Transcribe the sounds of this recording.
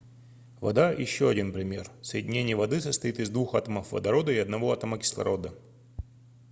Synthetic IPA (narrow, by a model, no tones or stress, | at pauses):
vɐ̰d̪ajɪ̰ɕːoɐdʲinpɾʲɪmʲe̞̰rsəjɪdʲɪnʲenʲɪjəvɐd̪ɨsəst̪ɐit̪ɨzd̪vuxat̪əməfvə̰d̪ɐɾo̞d̪əɪɐd̪nɐvo̞ɐt̪əməkʲɪ̥slˠɐ̰ɾo̞d̪ə